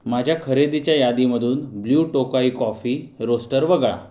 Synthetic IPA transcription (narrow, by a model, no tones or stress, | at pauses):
mad͡ʑʱjakʰəɾed̪it͡ɕjajad̪iməd̪ʱuːnbljuːʈokaikɔfiːɾosʈəɾʋəɡɭa̰